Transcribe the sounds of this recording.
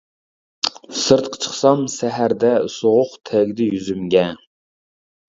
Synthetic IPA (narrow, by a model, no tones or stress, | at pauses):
sɨɾt̪qʰə̥t͡ʃʰə̥χsɑmsæɦæɾd̪ɛsoʁʊqt̪ʰɛɡʲd̪ɪjyzymɡʲɛ